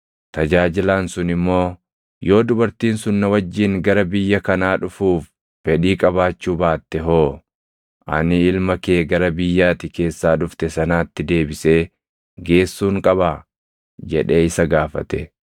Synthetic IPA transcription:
t̪ɐd͡ʒaːd͡ʒɪlaːnsʊnɪmːo̞ː | jo̞ːd̪ʊbɐɾt̪iːnsʊnːɐwɐd͡ʒːiːŋɡɐɾɐbɪjːɐkɐnaːᶑʊfuːf | fɛᶑiːkʼɐbaːt͡ʃːuːbaːt̪ːɛɦo̞ː | ʔɐ̰nɪɪlmɐkeːɡɐɾɐbɪjːaːt̪ɪke̞ːsːaːᶑʊft̪ɛsɐnaːt̪ːɪd̪e̞ːbɪse̞ː | ɡe̞ːsːuːŋkʼɐβaː | d͡ʒɛᶑe̞ːɪsɐɡaːfɐ̰t̪ɛ

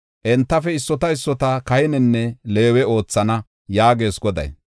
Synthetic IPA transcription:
ʔɛnt̪ːɐfɛɪsːɔt̪ɐɪsːɔt̪ɐkɐhɛnɛnːɛle̞ːwɛo̞ːt͡sːɐnɐ | jaːɡe̞ːsɡɔd̪ɐ̰j

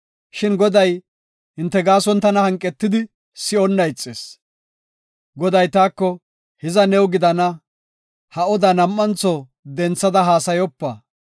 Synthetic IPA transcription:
ʃɪnɡɔd̪ɐj | hɪnt̪ːɛɡaːsɔnt̪ɐnɐhɐŋkʼːɛt̪ːɪd̪ɪ | sɪɔnːɐjt͡sʼːḛːs | ɡɔd̪ɐjt̪aːkːɔ | hɪzɐnɛwɡɪd̪ɐnɐ | hɐɔd̪ɐnɐmːɐnt͡sɔ | d̪ɛnt͡sːɐd̪ɐɦaːsɐjɔpːɐ

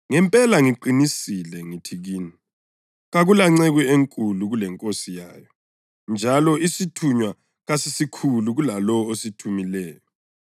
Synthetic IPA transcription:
ŋɛmpʼɛlaŋiǃinisilɛŋitʰiɣiːni | ɣaɣulaŋ͡ǀɛɣieŋkʼuluɣulɛŋkʼosija̰ːjɔ | nd͡ʒʱalɔisitʰuɲwa | ɣasisikʰuluɣulalɔositʰumilɛːjɔ

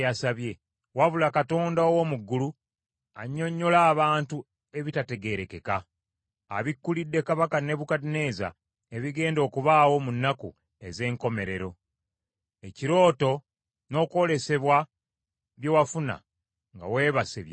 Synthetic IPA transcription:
jasaβje̞ | waβulakato̞ːndaowomuɡːulu | aɲːo̞ɲːo̞laːβaːntu | e̞βitate̞ɡe̞ɾe̞ke̞ka̰ː | βikːulidːe̞kaβakane̞βukatine̞ːza̰ | eβiɡe̞ːndo̞ːkuβaːwo̞munːakṵ | e̞ze̞ːŋko̞me̞ɾe̞ɾo̞ | e̞ciɾo̞ːto̞ | no̞ːko̞le̞se̞βwa | βjo̞wafuna̰ | ŋɡa̰we̞ːβasḛβj

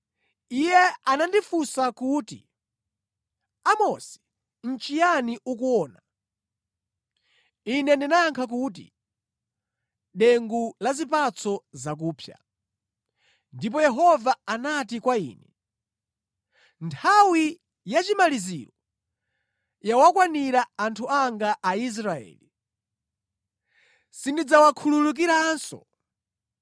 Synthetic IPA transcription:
ijɛanandifusakuːtḭ | amɔsi̥ | n̩t͡ʃijaniukuɔːna | inɛndinaŋkʰak̬ut̬ḭ | ɗɛŋɡulazipat͡sʰɔzak̬uːpʰja̰ | ndip̬ɔjɛɦɔvaanatikwaḭːnɛ | ntʰawi | jat͡ʃimalizḭɾɔ | jawakwaniɾaːntʰuaŋɡaʔːis̬ɾaɛ̰ːli | sindid͡zawakʰululuk̬iɾansɔ̰

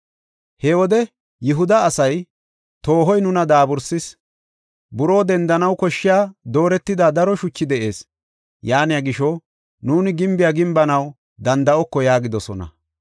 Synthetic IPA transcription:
hɛwɔd̪ɛ | jɪɦʊd̪ɐːsɐj | t̪o̞ːɦɔjnʊnɐd̪aːbʊɾsɪs | bʊɾo̞ːd̪ɛnd̪ɐnɐwkɔʃːɪjaːd̪o̞ːɾɛt̪ːɪd̪aːd̪ɐɾɔʃʊt͡ʃːɪd̪ɛʔe̞ːs | jaːnɪjaɡɪʃɔ | nuːnɪɡɪmbɪjaːɡɪmbɐnɐw | d̪ɐnd̪ɐʔɔkːɔjaːɡɪd̪ɔsɔnɐ̰

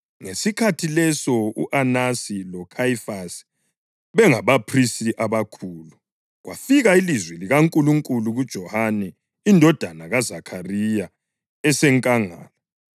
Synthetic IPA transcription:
ŋesikʰatʰilɛsɔuʔanasilɔkʰaifas | βɛŋaβapʰristiʔaβakʰuːlu | ɣwʔa̰fiɣailizwɛliɣaŋkʼuluŋkʼuluɣud̥ʒ̥ʱɔhanɛ | indʱɔd̥ʱanaɣazakʰarija | ɛsɛŋkʼaŋa̰ːlɔ

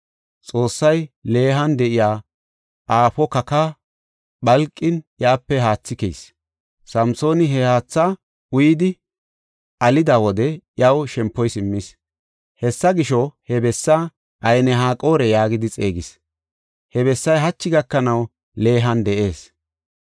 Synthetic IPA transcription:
t͡sʼo̞ːsːɐjle̞ːɦɐnd̪ɛʔɪjaː | ʔaːfɔkɐka | bɐlkʼːɪnjaːpːɛɦaːt͡sːɪkḛjs | sɐmso̞ːnɪɦɛhaːt͡sːa | ʊjɪd̪ɪ | ʔɐlɪd̪aːwɔd̪ɛʔjɐwʃɛmpːɔjsɪmːɪs | hɛsːɐɡɪʃɔhɛbɛsːa | ʔɐjnɛɦaːkʼo̞ːɾɛjaːɡɪd̪ɪt͡sʼe̞ːɡɪs | hɛβɛsːɐjɦɐt͡ʃːɪɡɐkːɐnɐw | le̞ːɦɐnd̪ɛʔe̞ːs

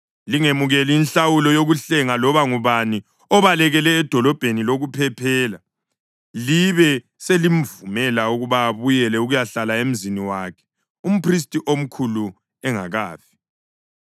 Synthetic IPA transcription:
liŋemuɣɛliːnɬawulɔjoɣuɬɛŋalɔβaŋuβani | ɔβalɛɣɛlɛːd̥ʱɔlɔb̥ʱeniloɣupʰɛpʰɛːla | liβɛ | selim̩vumɛlauɣuβaːβujɛlɛuɣujaɬalaem̩ziniwakʰɛ̥ | um̩pʰris̬tʼiʔom̩kʰulu | ɛŋa̰ɣaːfi̥

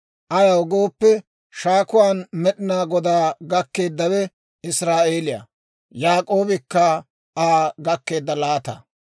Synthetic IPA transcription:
ʔɐjɐwɡo̞ːpːɛ | ʃaːkʊwaːnmɛɗɪnaːɡɔd̪aːɡɐkːe̞ːd̪ːɐwɛ | ɪsɾaːeːlɪjɐ̰ | jaːkʼo̞ːbɪkːɐ | aːɡɐkːe̞ːd̪ːɐlaːt̪ɐ̰

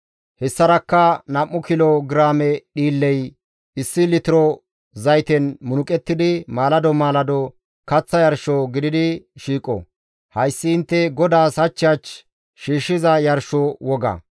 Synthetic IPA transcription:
hɛsːɐɾɐkːɐnɐmːʊkɪlɔɡɪɾaːmɛɗiːlːɛj | ɪsːɪlɪt̪ɪɾɔ | zɐjt̪ɛnmʊnʊkʼɛt̪ːɪd̪ɪmaːlɐd̪ɔmaːlɐd̪ɔ | kɐt͡sːɐjɐɾʃɔɡɪd̪ɪd̪ɪʃiːkʼɔ̰ | hɐjsːɪɪnt̪ːɛɡɔd̪aːsɐt͡ʃːɪɐt͡ʃ | ʃiːʃːɪzɐjɐɾʃɔwɔɡɐ̰

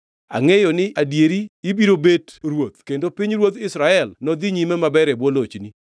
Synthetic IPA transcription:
a̰ŋejɔnɪʔadjeɾiːbiɾobedɾwot̪̚kendopɪɲɾwot̪ɪsɾaɛlnɔd̪iɲimɛmabɛɾɛbwolot͡ʃni

